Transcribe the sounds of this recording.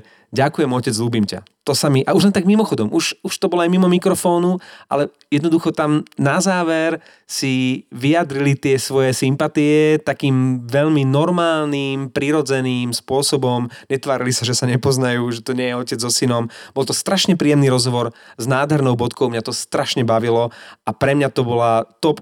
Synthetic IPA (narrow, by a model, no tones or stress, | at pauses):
ɟakujɛmɔcɛd͡zluːbimca̰t̪ɔsamiʔauʒlɛnt̪aɡmimɔxɔd̪ɔmʔuʃuʃt̪ɔbɔlɔajmimɔmikɾɔfɔːnuʔa̰lɛ | jɛd̪nɔd̪uxɔt̪amnazaːʋɛɾ | siʋijad̪ɾilit̪ɪɛsʋɔjɛsimpat̪iɛt̪akiːmʋɛʎminɔɾmaːlniːmpɾiɾɔd͡zɛniːmspʊɔsɔbɔmɲɛt̪ʋaːɾilisaʒɛsaɲɛpɔznajuːʒɛt̪ɔɲɪɛjɛɔcɛd͡zzɔsinɔmb̥ɔlˠt̪ɔst̪ɾaʃɲɛpɾiːɛmniɾɔzɦɔʋɔɾznaːd̪ɦɛɾnɔʊbɔt̪kɔʊmɲat̪ɔst̪ɾaʃɲɛbaʋilɔʔapɾɛmɲat̪ɔbɔlat̪ɔp